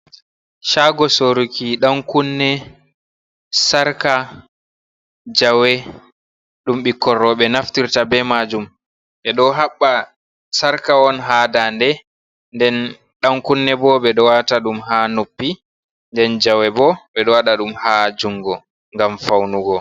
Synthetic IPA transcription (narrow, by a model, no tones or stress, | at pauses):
ʃaɡɔsoɾukiɗaŋkunːɛ | saɾka | d͡ʒawɛ | ɗumɓikːɔrɔɓɛnaftiɾtabɛmad͡ʒum | ɓɛɗɔɦaɓːa | saɾkaɔnɦaːdandɛ | ndɛn | ɗaŋkunːɛbɔɓɛɗɔwataɗumhanopːi | ndɛnd͡ʒawɛbɔɓɛɗɔwaɗaɗumhad͡ʒuŋɡɔ | ŋɡamfawnuɡɔ